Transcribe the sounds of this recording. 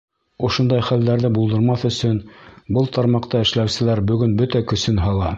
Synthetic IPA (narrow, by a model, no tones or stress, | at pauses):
ŏʃond̪ɑjχæld̪æɾðɘbulˠd̪ɤ̆ɾmɑθɵ̆sɵnbɤlˠt̪ʰɑɾmɑqt̪ɑɘ̆ʃlæwsɘ̆læɾbɵ̆ɡɵnbɵt̪ækɵ̆sɵnɦɑlˠɑ